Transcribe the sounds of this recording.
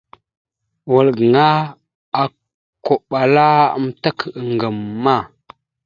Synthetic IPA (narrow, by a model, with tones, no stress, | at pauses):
wə˨lɡə˨ŋa˦ | a˨ | ko˨ɓa˨la˦a̰˦mta˦kə˨ə˨ŋɡə˨mːa˦˨